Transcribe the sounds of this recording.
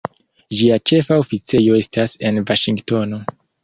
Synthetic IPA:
ʒiat͡ʃe̞faofit͡se̞jo̞e̞stʰase̞nvaʃiŋɡto̞no̞

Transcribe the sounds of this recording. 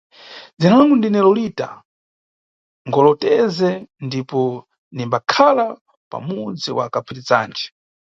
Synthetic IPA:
d͡zinaŋɡundinɛlɔlita̰ | ŋɡɔlɔtɛzɛndipɔ | nimbakʰala | pa̰mud͡ziwa̰kapʰiɾit͡saːnd͡ʒɛ̥

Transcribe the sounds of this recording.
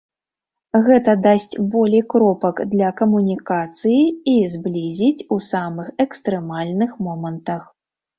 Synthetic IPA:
ɣɛt̪ɐd̪asʲt͡sʲbɔlʲɛjkɾɔpɐkd̪lʲɐkɐmunʲikat̪sɨjiizblʲizʲit͡sʲusamɨxɛkst̪ɾɛmalʲnɨxmɔmɐnt̪ɐx

